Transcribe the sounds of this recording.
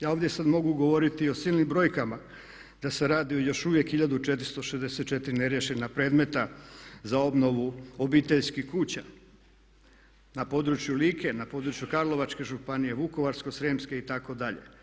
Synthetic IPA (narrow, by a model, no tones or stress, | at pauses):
jaːoʋdjesad̪mo̞ɡuɡo̞ʋo̞ɾit̪io̞siːlˠnimbɾo̞jkama | d̪̥ase̞ɾaːd̪iojo̞ʃuʋje̞kxiʎad̪ut͡ʃet̪ɾi̥st̪o̞ʃezd̪eset̪̚t͡ʃet̪iɾineɾjeʃenapɾe̞ːd̪me̞t̪azao̞bno̞ʋuobiːt̪e̞ʎskihkuːt͡ɕa | napo̞d̪ɾut͡ʃjuliːke̞napo̞d̪ɾut͡ʃjukaɾlˠo̞ʋat͡ʃke̞ʒupanije̞ʋuko̞ʋaɾskosɾeːmske̞it̪ako̞d̪aʎḛ